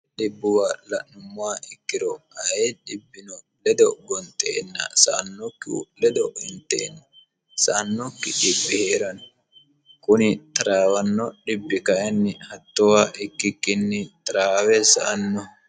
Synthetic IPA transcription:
ɗɪbːʊwalɐʔnʊmːʊwaːʔɪkːɪɾɔɐjɛᶑɪbːɪnɔ | lɛd̪ɔɡɔnt̪ːḛːnːɐ̰sɐ̰ʔɐnːɔkːɪṵlɛd̪ɔɪnt̪ːḛːnːɐ | sɐʔɐnːɔkːɪᶑɪbːɪheːɾɐn | kʊnɪt̪ɐɾaːwɐnːɔᶑɪbːɪkɐjɛnːɪhɐt̪ːɔwaːʔɪkːɪkːɪnːɪt̪ɐɾaːwɛsɐ̰ʔɐnːɔ

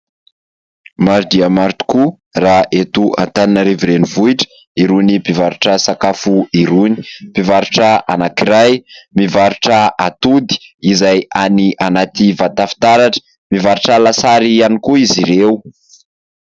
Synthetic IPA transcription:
maɾid̪iamaɾt̪u̥ku | raʔet̪ua̰nt̪aninəɾiviɾenivuiʈ͡ʂə̥ | iɾunipivaɾuʈ͡ʂəsakafuiɾuni̥pivaɾuʈ͡ʂəanakiɾajmivaɾuʈ͡ʂəat̪ud̪i̥izajaniʔanat̪ivat̪afi̥t̪aɾaʈ͡ʂə̥ | mivaɾuʈ͡ʂəlasaɾianikuiziɾewu

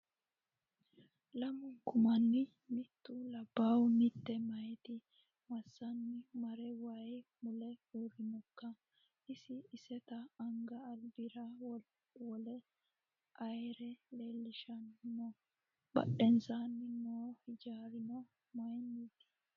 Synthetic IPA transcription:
lɐmʊŋkʊmɐnːɪ | mɪt̪ːʊlɐbːawmɪt̪ːɛmɐjt̪ɪ | mɐsːɐnːɪmɐɾɛwɐjmʊlɛuːɾɪnɔkːɐ | ʔɪsɪːsɛt̪ɐːŋɡɐːlbɪɾɐw | wɔlɛ | ʔɐjɾɛleːlːɪʃɐnnɔ | bɐ̰ɗɛnsanːɪnoːhɪd͡ʒaːɾɪnɔ | mɐjnːiːt̪ɪ̥

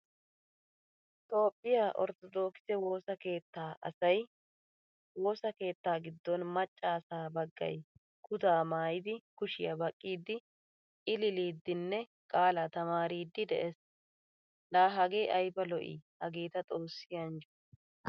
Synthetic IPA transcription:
t̪o̞ːpʼːɪjaːʔɔ̰ɾt̪ɔd̪o̞ːksɛwo̞ːsɐke̞ːt̪ːaːʔɐ̰sɐj | wo̞ːsɐke̞ːt̪ːaːɡɪd̪ːɔnmɐt͡ʃʼːaːsaːbɐɡːɐ̰j | kʰʊt̪aːmaːjɪd̪ɪkʊʃɪjɐbɐkʼːiːd̪ːɪ | ɪlɪliːd̪ːɪnːɛ | kʼaːlat̪ɐmaːɾiːd̪ːɪd̪ɛʔes | laːɦɐɡeːʔɐjbɐlɔʔḭhɐɡeːt̪ɐt̪ʼo̞ːsːɪjɐnd͡ʒɔ

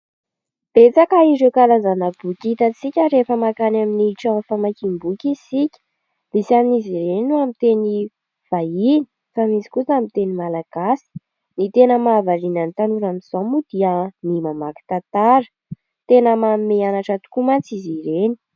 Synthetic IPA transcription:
b̥et͡sakaizekalazanabukʲit̪ət͡sikʲəɾefəmakanaminiiʈ͡ʂanfamakimbukʲisikʲə̥ | b̥̪isamnizireninuamit̪eni | v̥aini̥ | famizi̥kusamint̪enimalaɡ̥asi̥ | nit̪enəmaːvaɾinanit̪anuɾamiz̥ɔmud̪̥iənimamaki̥t̪at̪aɾə̥ | t̪enəmamimeanaʈ͡ʂət̪u̥kumant͡siziɾeni̥

